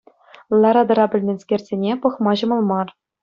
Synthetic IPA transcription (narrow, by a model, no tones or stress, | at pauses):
lˠɑɾɑd̪ɤ̆ɾɑbʲɘ̆lʲmʲenʲskʲerʲzʲenʲepɤ̆χmɑʑɤ̆mɤ̆lˠmɑr